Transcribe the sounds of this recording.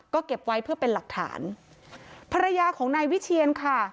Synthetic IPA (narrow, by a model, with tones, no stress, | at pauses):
kɔː˥˩ke˨˩p̚wa˦˥jpʰɯ˥˩ɐpe˧nla˨˩k̚t̪ʰa̰ː˩˦n | pʰa˧ɾa˧jaː˧kʰɔː˩˦ŋnaː˧jwi˦˥t͡ɕʰiː˧ənkʰa˥˩